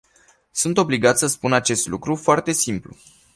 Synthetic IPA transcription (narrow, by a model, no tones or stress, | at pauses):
sunt̪o̞bliɡat̪səspunat͡ʃe̞st̪lukɾufoart̪e̞simplṵ